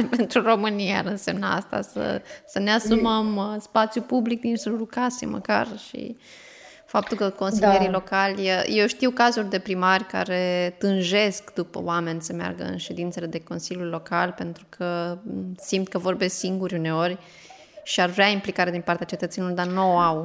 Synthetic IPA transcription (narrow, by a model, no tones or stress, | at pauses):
pe̞nt̪ɾuro̞mɨnijaɾɨnsemnaa̰st̪a̰sə̰səneasuməmspat̪sjupublik̚d̪inselulukasḛmə̰ka̰rʃḭ | fap̚t̪ulkəko̞nsilje̞ɾilo̞kalʲəje̞wʃt̪iwkazurʲd̪e̞pɾimarʲka̰ɾe̞t̪ɨnʒe̞skd̪upə̰wame̞nʲsəmea̰rɡə̰ɨ̰nʃe̞d̪int̪se̞le̞d̪e̞ko̞nsiljulʲlo̞kalpe̞nt̪ɾukʰə | simt̪̚kəvo̞rbe̞siŋɡuɾʲuneo̞rʲ | ʃiarveaimplikaɾed̪inpart̪eat͡ʃet̪ət̪senilord̪arnoaw